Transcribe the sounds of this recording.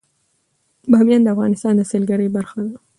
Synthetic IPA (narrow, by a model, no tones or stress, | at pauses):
bɑmjɑnd̪əafɣɑnɪst̪ɑnd̪əselɡaɾəjbaɾxad̪a